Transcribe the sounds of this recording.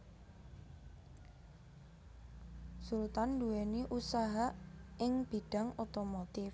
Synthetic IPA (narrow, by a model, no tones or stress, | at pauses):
sult̪anduweniʔusaɦaɪŋb̥iɖ̥a̤ŋɔt̪omot̪ɪf